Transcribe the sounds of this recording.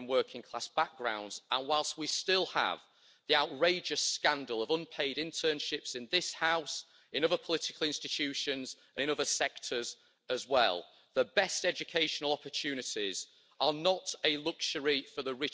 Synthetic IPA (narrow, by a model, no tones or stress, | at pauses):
nwɜˑkʰɪ̃ŋkʰl̥asb̥ak̚ɡ̥ɹã̰ʊ̃ndz̥ə̃nwaɪlˠstwistɪlˠə̰v | ðiaʊʔɹeɪd͡ʒəskãndəlˠəvʊ̃npʰeɪɾɪ̃ntʰɜːnʃɪpsɪ̃nðɪshaʊs | ɪ̃nʊðəpʰəlɪtɪkʰəlˠɪ̃nstɪt͡ʃʰʉˑʃə̃nz | ə̃ñɪ̃nʊðəsɛk̚tʰəz | əzwɛ̰lˠ | ðəbɛstɛd͡ʒɨkʰeɪʃənəlˠɒpət͡ʃʰʉːnɪtɪz | ənətəlʊkʃəɹifəðəɹɪ